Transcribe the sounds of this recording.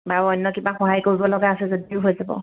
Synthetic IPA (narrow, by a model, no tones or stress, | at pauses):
baɹɔjnːɔkibaxɔɦajkoɹibɔlɔɡaːsɛzodiʊɦojzabɔ̰